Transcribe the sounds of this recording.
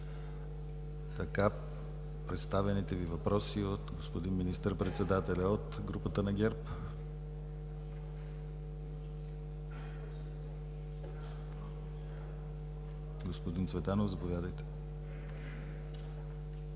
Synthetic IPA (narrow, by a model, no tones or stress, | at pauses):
t̪ɐka | pɾɛt̪st̪avɛnit̪ɛvivɐpɾɔsiot̪ɡospod̪inminist̪əɾpɾɛt̪sɛd̪at̪ɛlʲaot̪ɡɾupət̪ənɐɡʲɛɾp | ɡospod̪int̪svɛt̪anovzɐpovʲjad̪əjt̪ɛ̥